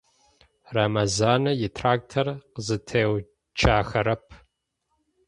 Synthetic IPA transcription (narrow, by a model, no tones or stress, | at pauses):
ramɐzaːnɐjɪtʰraːk̚tʰɐrqəzɨtʰeːw | t͡ʃʰaːxɐɾɐpʰ